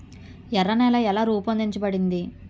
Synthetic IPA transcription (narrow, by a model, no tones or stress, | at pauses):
ɛɾːɐnɛːlɐɛlaːɾuːpɐnd̪iɲt͡ʃɐbɐɽind̪i